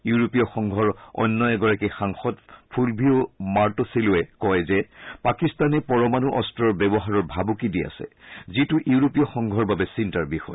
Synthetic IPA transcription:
juɹopijɔxɔŋɡʱɔɹɔ̰nːɔɛɡɔɹakixaŋxɔdpʰulbʱiʊmaɹtɔsilʊɛkɔjzɛpakistanɛpɔɹɔmanuʔɔstɹɔɹbɛbɔɦaɹɔɹbʱabukidia̰sɛ̰zituʔuuɹopijɔxɔŋɡʱɔɹbabɛsintaɹbixɔ̰j

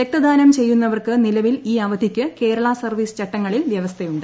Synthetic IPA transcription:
ʋek̚t̪ɐd̪aːnɐmt͡ɕe̞jːun̪ːɐʋɐrkɨnilɐʋiliːɐʋɐd̪ʱikʲːɨke̞ːɾɐɭasɐrʋiːst͡ɕɐʈːɐŋːɐɭilʋjɐʋɐst̪ʰejuɳɖɨ

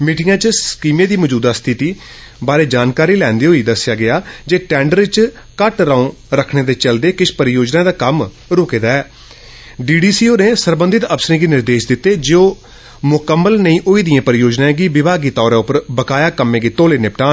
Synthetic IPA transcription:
miːʈɪjãːt͡ʃskiːmẽːd̪iːməd͡ʒuːd̪aːst̪ʰɪt̪iː | baːɾeːd͡ʒaːnkaːɾiːlɛ̃ːnd̪eːɦoːiːd̪əsːɪjaːɡɪaːd͡ʒeːʈɛ̃ːɳɖəɾɪt͡ʃ | kəʈɾaõːɾəkʰɽeːd̪eːt͡ʃəld̪eːkɪʃpəɾjoːd͡ʒnãːd̪aːkəm | ɾoːkeːd̪aːɛː | ɖiːɖiːsiːoːneːsəɾbənd̪ɪt̪əpsɾĩːɡiːnɪɾd̪eːʃd̪ɪt̪ːeːd͡ʒeoː | mʊkəmːəlnəĩːʔoːiːd̪ɪjãːpəɾɪjoːd͡ʒnãːɡiːʋɪbʱaːɡiːt̪ɔːɾãːʊpəɾbəkaːjaːkəmːẽːɡiːt̪oːleːnɪpʈaː

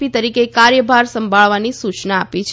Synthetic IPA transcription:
it̪əɾikekaɾjəbʱaɾsə̃mbʱaɭʋanisut͡ʃnaːpit͡ʃʰ

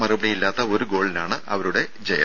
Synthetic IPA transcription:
mɐrubɐɽijilːaːt̪ːɐo̞ɾuɡo̞ːɭinaːɳɨɐʋɐɾuɽe̞ | d͡ʑɐjɐ̰

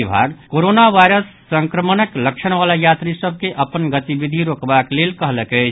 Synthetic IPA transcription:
bʱa̰ːɾkoːɾonaʋaɪɾəsːə̃ŋkɾəmənəkləkʃəɽ̃ʋalajaːt̪ɾisəb̚ʱkeʔəpənɡət̪ibid̪ʱiɾoːkbakleːlkəɦləkɛt͡ʃʰ

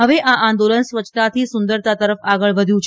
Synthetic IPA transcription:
ɦəʋeʔaʔãnd̪olənsʋət͡ʃʰt̪at̪ʰisʊnd̪əɾt̪at̪əɾəfaɡəɭʋəd̪ʱjũt͡ʃʰ

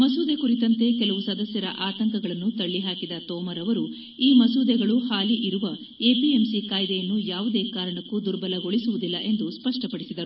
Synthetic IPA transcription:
mɐsuːd̪e̞kuɾit̪ɐnt̪e̞kɛlɐʋusɐd̪ɐsjɐɾɐ̰ʔaːt̪ɐŋkɐɡɐɭɐnːut̪ɐɭːiɦaːkid̪ɐt̪ɔːmɐɾɐʋɐɾu | iːmɐsuːd̪ɛɡɐɭuhaːliʔiɾuʋɐ | e̞ːpiemsikaːjd̪ejɐnːujaːʋud̪e̞ːkaːɾɐɳɐkːud̪uɾbɐlɐɡo̞ɭisuʋud̪ilːɐʔe̞nd̪uspɐʂʈɐpɐɽisid̪ɐɾuu

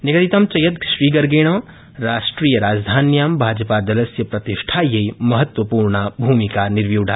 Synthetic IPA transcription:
niɡət̪it̪ɐmt͡ʃɐjət̪ʃɾiɡəɾɡeɽ̃ə̃ | ɾasʈɾijəɾaːd͡ʒd̪ʱanjambʱad͡ʒəpad͡ʒ̪ɐləsjəpɾɐt̪iʃʈʰajejmɐɦət̪wəpuɾɳabʱumikaniɾʋjuɖʱa

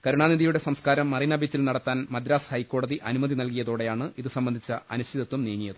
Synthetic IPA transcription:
kɐɾuɳaːniðijuɽe̞sɐmskaːɾɐmːɐrinɐbʱit͡ɕːilnɐɽɐt̪ːaːnmɐd̪ɾaːshɐjkːo̞ːɽɐðiʔɐnumɐðinɐlkijɐðo̞ːɽe̞jaːɳɨʔiðɨsɐmbɐnd̪ʱit͡ɕːɐɐ̰nust̪ʰid̪ɐt̪ːumniːŋːijɐðɨ

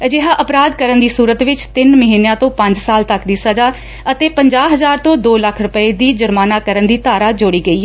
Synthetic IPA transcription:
d͡ʒɪɦãːʔəpɾaːd̪kəɾənd̪iːsuːɾət̪ʋɪt͡ʃt̪ɪnməɦiːnjãːt̪õːpə̃ɲd͡ʒsaːlt̪əkd̪iːsəd͡ʒaː | ət̪eːpəɲd͡ʒaːɦəzaːɾt̪õːd̪oːləkʰɾʊpəeːd̪iːd͡ʒʊɾmaːnaːkəɾənd̪iːt̪aːɾaːd͡ʒʊɽiːɡəiː

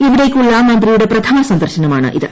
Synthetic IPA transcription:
iʋiɽekːuɭːɐmɐnd̪ɾijuɽe̞pɾɐt̪ʰɐmɐsɐnd̪ɐɾrʂɐnɐmaːɳɨ̰ʔiðɨ

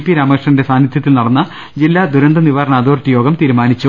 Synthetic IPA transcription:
pːiɾaːmɐkrɨʂɳɐnde̞saːnit̪ʰjɐt̪̬ːilnɐɽɐnːɐ | d͡ʑilːaːd̪uɾɐnd̪ɐniʋaːɾɐɳɐːd̪oːrt̪ːijo̞ːɡɐmt̪iːɾumaːnit͡ɕːu

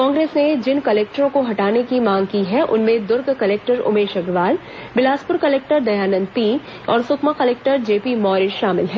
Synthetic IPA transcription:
kɔ̃ːŋɡɾeːsned͡ʒɪnkɐleːk̚ʈəɾõkoɦɐʈaːnekimãːŋɡkiɦɛʔʊ̰nmẽd̪ʊɾɡkɐleːk̚ʈəɾʊ̰meːʃɐɡɾʋaːl | bɪlaːspʊɾkɐleːk̚ʈəɾd̪ɐjaːnə̃nt̪i | ɔːɾsʊkʰmakɐleːk̚ʈəɾd͡ʒeːpimɔːɾɪʃʃaːmɪlɦɛː

